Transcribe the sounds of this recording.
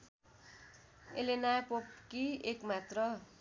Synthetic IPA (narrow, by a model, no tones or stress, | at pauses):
ḛlenapop̚kiekmat̪rʌ